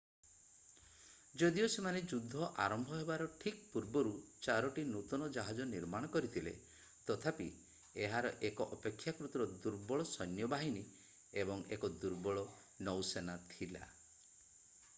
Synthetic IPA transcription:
d͡ʒɔd̪iosemaned͡ʒud̪ʱːɔʔa̰ɾɔmbʱɔɦebaɾɔʈʰik̚puɾbɔɾut͡ʃaɾɔʈinut̪ɔnɔd͡ʒaɦad͡ʒɔniɾmaɽ̃ɔkɔɾit̪ʰilḛ | t̪ɔt̪ʰapi | eɦaɾɔʔekɔʔɔpekʰːjakɾut̪ɾɔd̪uɾbɔɭɔsɔnjɔbaɦini | ebɔŋḛkɔd̪uɾbɔɭɔ | nɔwsenat̪ʰila̰

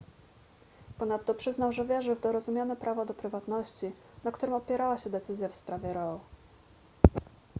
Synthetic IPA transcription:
pɔnat̪ːɔpʂɘznawʐɛvʲjɛʐɘvd̪ɔɾɔzumʲjanɛpɾʔavɔd̪ɔpɾɘvat̪nɔɕt͡ɕi | nakt̪uɾɘmɔpʲjɛɾawaɕɛd̪ɛt̪sɘzʲjafspɾavʲjɛɾɔ

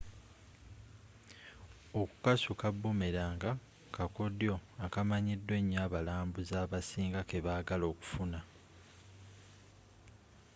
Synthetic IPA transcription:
o̞ku̥kasukabːumeɾaːŋɡa | kakodjo̞akamaɲidːwe̞ɲːaːβalaːmbuzaːβasiːŋɡake̞βaːɡalo̞ːku̥funa

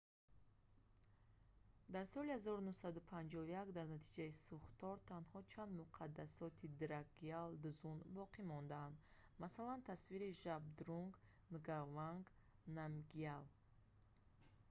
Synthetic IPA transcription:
d̪aɾsɔlihazɔɾunuhsad̪upʰand͡ʒɔvujakd̪aɾnat̪ʰid͡ʒaisuχt̪ɔɾt̪ʰanhɔt͡ʃʰand̪muqʰad̪ːasɔt̪ʰid̪ɾaɡiald̪uzunbɔqʰimɔnd̪aand̪masalant̪ʰasviɾiʒab̚d̪ɾuŋɡ | nɡavaŋɡnamɡial

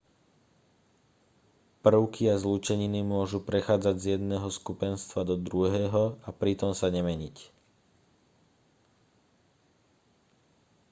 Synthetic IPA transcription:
pr̩ʊkiazlut͡ʃɛɲinimʊɔʒupɾɛxaːd͡zaɟzjɛd̪nɛːɦɔskupɛnst̪ʋad̪ɔd̪ɾuɦɛːɦɔapɾit̪ɔmsaɲɛmɛɲic

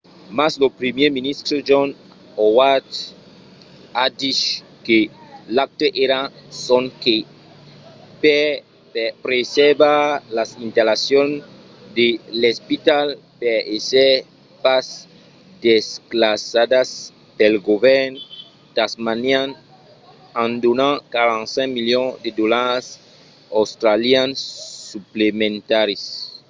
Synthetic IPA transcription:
maslopɾimjeminist̪ɾod͡ʒon | owat̪ | ad̪it͡ʃ | kelak̚t̪eʔeɾasonke | pe | pɾesebalasint̪alasjon | d̪elespit̪al | peese | pas | d̪esklasad̪as | pelɡoβɛɾn | t̪asmanjan | ãnd̪unãkaɾãnsẽŋmiljõŋd̪ed̪olaɾs | awst̪ɾaljansːuplemẽnt̪aɾis

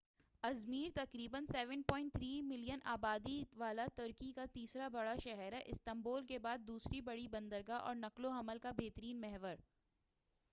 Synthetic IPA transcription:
ɐzmiːɾt̪ɐqɾiːbənsɛːʋə̃n̚pɔ̃ːɪ̃ɳʈ̚t̪ʰɾiːmɪlijənʔaːbaːd̪iʋaːlat̪ʊɾkikat̪iːsɾabɐɽaʃɛɦɛɾɛʔɪst̪ɐ̃mboːlkebaːd̪̚ːuːsɾibɐɽibɐ̃nd̪əɾɡaʔɔ̰ːɾnɐklõɦɐməlkabeːt̪əɾiːnmɛɦʋəɾ

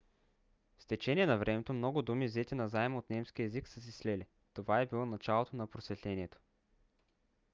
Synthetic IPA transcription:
fst̪ɛt͡ʃɛniɛnɐvɾɛmɛt̪omnɔɡʊd̪umivzɛt̪ʲinɐzaɛmot̪nɛmsk̟iəɛziksəsislɛli | t̪ovaɛbilˠɔnɐt͡ʃalˠot̪onɐpɾosvɛt̪lɛniɛt̪o̥

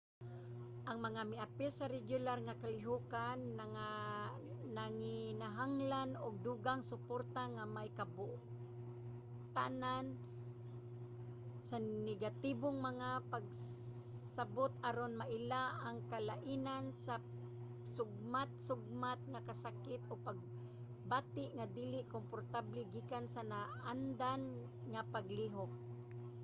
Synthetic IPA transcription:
ʔaŋmɐŋamɪʔapɪsaɾɛɡjʊlarŋakalɪɦukana | naŋɪnaɦaŋlanʊɡ̚d̪uɡaŋsʊpoɾt̪aŋamajkabʊʔ | t̪a̰nan | sanɛɡat̪iboŋmaŋapaɡ̚ | sabot̪̚aɾonmaʔɪlaʔaŋkalaʔinansa | sʊɡ̚mat̪̚sʊɡ̚mat̪̚ŋakasakɪt̪ʔopaɡ̚ | baːt̪ɪʔŋad̪ilɪʔkompoɾt̪ablɛɡikansanaʔand̪an | ŋapaɡliɦok̚

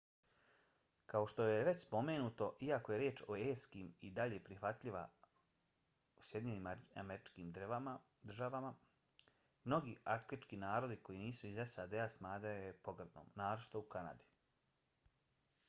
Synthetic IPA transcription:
kao̞ʃt̪o̞jeʋe̞t͡ɕspo̞me̞ːnut̪o̞ʔiako̞je̞ɾjeːt͡ʃo̞eːskiːmid̪aʎe̞pɾixʋat̪ʎiʋa̰ | usje̞d̪iɲe̞niːma̰meɾit͡ʃkiːmd̪rʋama | d̪r̩ʒaʋama | mno̞ɡiːʔakt̪it͡ʃkinaːɾo̞d̪iko̞jiniːsuizesad̪easmaːd̪ejepo̞ɡrd̪no̰ːmnaːɾot͡ʃi̥t̪oukana̰d̪i̥

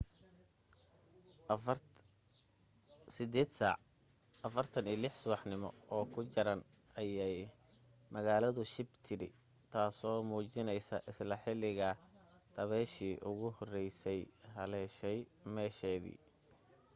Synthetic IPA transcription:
sɪd̪ɛːd̪saʕ | ɐfɐrt̪ʰɐniːlɪħsʊβɑħnɪmɔ̰ɔːkʰʊt͡ʃɐɾɐn | ɐjɛj | mɐɣaːlɐðʊʃɪbt̪ʰɪɾɪ̰ | t̪ʰaːsɔːmuːt͡ʃɪnɛjsɐʔɪslɐħɪlɪɣɐd̪̥ʰɐβɛːʃiːʔʊɣʊhɔrɛjsɛjɦɐlɛːʃɛjmɛːʃɛːðḭː

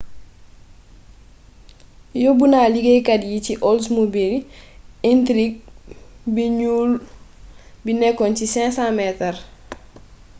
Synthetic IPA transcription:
jobunaliɡekadjiciʔɔls̬mobil | intɾik̚biɲuːl | binɛkːɔncisɛ̃sãmɛtar

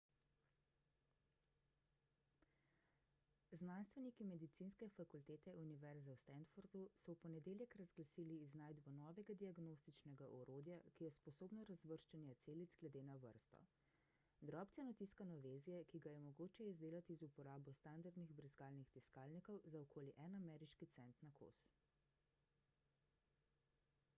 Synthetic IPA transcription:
znanst̪ʋɛnikimɛd̪it̪sinskɛfakult̪eːt̪ɛuniʋɛɾzawst̪ɛnd̪foɾd̪usɔwpɔnɛd̪eːljɛkɾazɡlasiːliːznaːjd̪bɔnɔːʋɛɡad̪iaɡnost̪it͡ʃnɛɡaʔɔɾoːd̪jakijɛspɔsoːbnɔɾazʋəɾʃt͡ʃɛnjɛt̪seːlid̪zɡlɛd̪eːnaʋə̰ɾst̪ɔ̰ | d̪ɾɔːp̪sɛnɔt̪iskanɔʋezijɛkiɡajɛmɔɡoːt͡ʃɛizd̪eːlat̪izupɔɾaːbɔst̪and̪aɾd̪niɣbɾiskaːlnixt̪iskaːlnikɔwzaɔkʰoːliʔɛnamɛːɾiʃkit̪sɛnt̪nakʰo̰ːs

